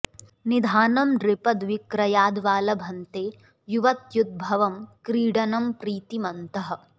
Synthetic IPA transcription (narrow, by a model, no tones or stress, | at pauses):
nid̪ʱaːnɐmɾɪpɐd̪ʋɪkɾɐjaːd̪ʋaːlɐbʱɐnt̪eː | juʋɐt̪jud̪̚bʱɐʋɐmkɾiːɖɐnɐmpɾiːt̪imɐnt̪ɐɦɐ̆